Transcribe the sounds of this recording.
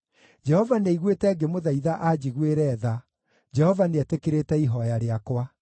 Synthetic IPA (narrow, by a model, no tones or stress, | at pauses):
d͡ʒɛhɔvaneiɣwetɛɡemoðaiðaʔad͡ʑiɣweɾɛːða | d͡ʒɛhɔvaneɛtekeɾetɛiɦɔjaɾeakwa